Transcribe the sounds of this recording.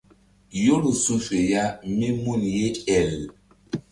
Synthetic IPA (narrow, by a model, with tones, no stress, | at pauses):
jo˦lu˨sũ˦fe˨ja˦me˦mu˦˨nje˦tɛ˨l